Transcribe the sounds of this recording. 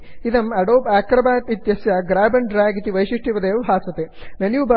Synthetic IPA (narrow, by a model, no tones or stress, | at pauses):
id̪ɐmɐɽoːpaːkɾɐbaːt̪it̪jɐsjɐɡɾaːbɐnɖɾaːɡit̪iʋɐjʃiʂʈiʋɐd̪eːɐʋɦaːsʋɐt̪enɐnjuːba